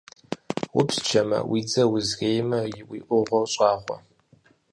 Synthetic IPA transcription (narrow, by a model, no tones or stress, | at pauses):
wʊpst͡ʃʰɐmɐ̰wiːd͡zɐwʊzɣeːjmɐjɪwiːʔʷʊʁʷɐwɕʼɑːχʷɔ̰